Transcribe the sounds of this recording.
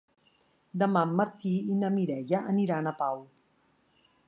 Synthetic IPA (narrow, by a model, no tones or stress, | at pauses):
d̪əmamːɐɾt̪iinamiɾɛjaʔəniɾanapaw